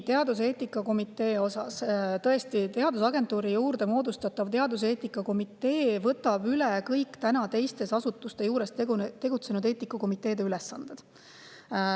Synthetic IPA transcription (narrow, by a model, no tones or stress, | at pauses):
t̪e̞ɑd̪us̬e̞ːt̪ːˑikːˑɑko̞mit̪ːˑe̞ːo̞sɑ̰st̪ɤ̞e̞st̪it̪e̞ɑd̪usɑɡe̞nt̪ˑuːɾijuːrd̪e̞mo̞ːd̪̥ust̪ɑt̪ːɑvt̪e̞ɑd̪us̬e̞ːt̪ikːˑɑko̞mit̪ːˑe̞ːvɤ̞t̪ːˑɑb̥ylekɤjkːt̪ænɑt̪e̞jst̪e̞sɑsut̪ːˑust̪e̞juːɾe̞st̪t̪e̞ɡ̥ut̪se̞nud̪e̞ːt̪ːˑikːˑɑko̞mit̪ːˑe̞ːd̪̥e̞ylesːɑnd̪̥e̞d̪̥